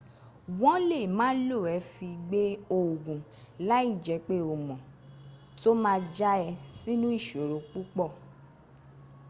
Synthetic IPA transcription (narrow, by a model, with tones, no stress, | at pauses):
w̃ɔ̃˦le˦˨mãː˨˦lo˦˨ɛ˨˦fi˧ɡ͡be˦o˨ɡũ˨ | la˦i˦˨d͡ʒɛ˨˦k͡pe˦o˨mɔ̃˨ | to˦mãː˧d͡ʒa˦ɛ˧si˦nũ˦i˦˨ʃo˨ɾo˨˦k͡pu˦k͡pɔ˦˨